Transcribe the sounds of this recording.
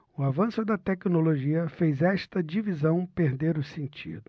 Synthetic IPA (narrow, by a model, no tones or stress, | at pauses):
ʊavɐ̃sʊd̪ɐt̪ɛknoloʒiɐfejzɛʃt̪ɐd͡ʒivizɐ̃w̃peɾd̪eɾʊsẽnt͡ʃḭd̪ʊ